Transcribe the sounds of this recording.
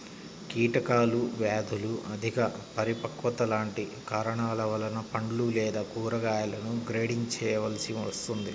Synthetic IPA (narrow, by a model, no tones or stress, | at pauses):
kiːʈɐkaːluʋaːd̪ʱuluʔɐd̪ʱikɐpɐɾipɐkʋɐt̪ɐlaːɳʈikaːɾɐɳaːlɐʋɐlɐnɐpɐɳlulɛːd̪aːkuːɾɐɡaːjɐlɐnuɡɾeːɽiɲt͡ʃɛːʋɐlɐsiʋɐst̪und̪i